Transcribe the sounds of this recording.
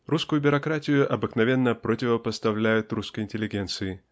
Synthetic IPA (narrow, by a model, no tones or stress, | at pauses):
ruskʊjʊbʲʊɾɐkɾatʲɪjʊʔɐbɨknɐvʲe̞nːəpɾotʲɪvəpəst̪ɐvlʲæjʊt̪ruskəjɪnʲtʲɪlʲɪɡʲe̞nt̪sɨɪ